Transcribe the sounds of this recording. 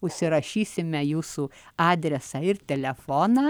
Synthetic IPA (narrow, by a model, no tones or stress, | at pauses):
ʊʃʲsʲɪɾɐʃʲiːsʲɪmʲɛjuːsuːɑːd̪ʲɾʲɛsɐɪɾt̪ʲɛlʲɛfoːnɑː